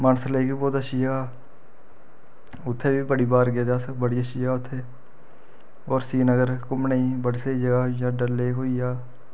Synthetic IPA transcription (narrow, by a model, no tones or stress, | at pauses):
maːnəsleːkiːbɔːt̪əʃiːd͡ʒaː | ʊt̪ʰːeːʋiːbəɽiːbaːɾɡeːd̪aːsəkbəɽiːəʃiːjaːʊt̪ʰːeː | ɔːɾsiːnəɡəɾkʊmnəĩːbəɽisəiːd͡ʒəɡaːɦijãːɖəɾleːkɦoːiːaː